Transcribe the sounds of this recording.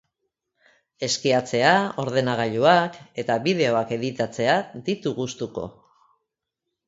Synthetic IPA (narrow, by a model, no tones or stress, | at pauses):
e̞skiat͡se̞ao̞ɾð̞e̞naɣ̞aʎuake̞t̪aβið̞e̞o̞ake̞ðit̪at͡se̞ad̪it̪uɣust̪uko̞̰